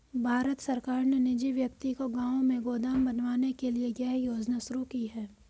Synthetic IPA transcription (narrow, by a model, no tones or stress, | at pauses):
bʱaːɾət̪sɐɾkaːɾnenɪd͡ʒiʋjɐk̚t̪ikoɡãːõmẽɡoːd̪aːmbɐnʋaːnekelieɡɛɦjoːd͡ʒnasʊɾukiɦɛː